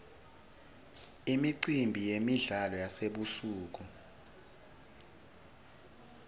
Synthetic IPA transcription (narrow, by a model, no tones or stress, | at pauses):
imiǀimbʱijemiɮalɔjaseɓusuːk̬u